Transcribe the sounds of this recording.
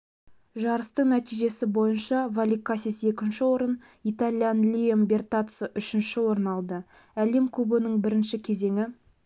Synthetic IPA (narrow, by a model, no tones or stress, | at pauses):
ʒɑɾəst̪əɴnæt̪ijʒe̞sɪbo̞jənʃɑvalʲikːasʲise̞kʲɪnʃɪwo̞ɾən | it̪alʲijanlʲijembe̞rt̪at̪səʔʏʃɪnʃɪwo̞ɾənɑlˠd̪ə | æle̞mkʲʰɵbɪnɪɴbɪɾɪnʃɪkʲʰe̞ze̞ŋɪ